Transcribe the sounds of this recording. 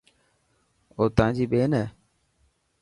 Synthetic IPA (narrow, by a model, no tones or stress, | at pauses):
oːt̪ãːd͡ʒiːɓeːnɛː